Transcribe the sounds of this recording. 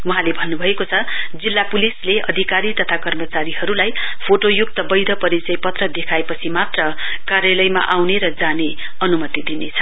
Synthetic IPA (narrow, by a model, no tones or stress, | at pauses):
wuɦãlebʱʌnːubʱʌekot͡sʰʌd͡zilːapulisleʌ̰d̪ʱikaɾit̪ʌt̪ʰakʌrmʌt͡saɾiɦʌɾulaj | pʰoʈojuk̚t̪ʌbʌjɾʌpʌɾit͡sʌjpʌt̪rʌd̪ekʰaepʌt͡sʰimat̪rʌ | karjalʌjma̰ʔawneɾʌd͡zane | ʌnumʌt̪id̪inet͡sʰʌ